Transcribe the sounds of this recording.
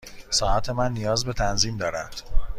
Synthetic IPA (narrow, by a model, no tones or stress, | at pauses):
sɒːʔæt̪ʰe̞mænːijɒːzbe̞t̪ʰænziːmd̪ɒːɾænd̪̥